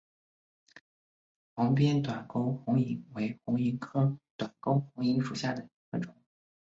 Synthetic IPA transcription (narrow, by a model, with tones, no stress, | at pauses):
xɑ˧˥ŋp̬jɛ˥nt̪wa˨˩nko˥ʊxʊ˧˥ŋi˧˥ŋwe˧˥ɪxʊ˧˥ŋi˧˥kʰɤ˥t̪wa˨˩nko˥ʊxʊ˧˥ŋi˧˥ŋʂu˨˩ɕja˥˩d̪ə˩i˧˥ɡ̥ə˥˧˩ʈ͡ʂʊ˨˩˦ŋ